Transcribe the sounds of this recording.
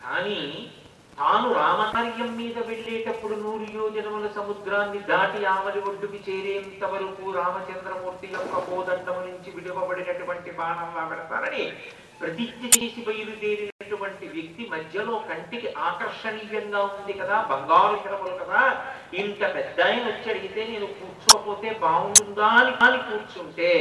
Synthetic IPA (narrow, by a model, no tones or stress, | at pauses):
kaːniː | t̪aːnuɾaːmaːɾijɐmːiːd̪ɐʋeɭːeːʈɐpːuɽunuːɾujoːd͡ʒɐnɐmɐlɐsɐmud̪ɾaːnːid̪aːʈijaːʋɐɾiʋɐɖ̪ːukit͡ʃeːɾeːɐnt̪ɐʋɐɾukuɾaːmɐt͡ʃɐnd̪ɾɐmuːɾt̪ijɔkːɐpoːd̪ɐɳːɐmnuɲt͡ʃiʋiɽɐbɐbɐɽinɐʈuʋɐɳʈibʱaːɳɐmlaːbɐɽɐt̪a̰ːɾɐni | pɾɐt̪it̪jɐt͡ʃeːsibɐjiɾud̪eːɾinɐʈuʋɐɳʈiʋjɐk̚t̪imɐd̪ʱjɐlo̞ːkɐɳʈikiʔaːkɐɾʂɐɾiːɡɐŋɡaːund̪ikɐd̪aːbʱɐŋɡaːɾukɐlɐmɐlɐkɐd̪aːint̪ɐpɛd̪ːaːjɐnɐt͡ʃːɐɽiɡit̪e̞ːne̞ːnukuːɾt͡ʃukɐpo̞ːt̪e̞ːbaːɡuund̪aːnikaːnikuːɾt͡ʃuɳʈeː